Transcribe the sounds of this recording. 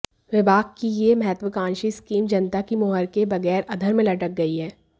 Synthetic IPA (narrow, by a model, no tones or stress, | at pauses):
ʋɪbaːɡkijemɐɦət̪ʋəkãːnʃiskiːmd͡ʒɐnt̪akimoːɦəɾkebɐɣɛːɾɐd̪ʱəɾmẽlɐʈək̚ɡɐiɦɛː